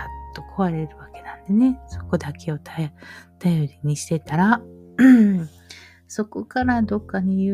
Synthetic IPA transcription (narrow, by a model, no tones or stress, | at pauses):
at̪ːo̞kʰo̞βaɾe̞ɾɯ̟βake̞nãnd̪e̞ne̞so̞̥ko̞d̪akʰe̞o̞t̪ʰat̪ajo̞ɾʲiɲ̟iɕi̥t̪e̞t̪aɾa | so̞ko̞kaɾad̪o̞kːaɲ̟ijɯ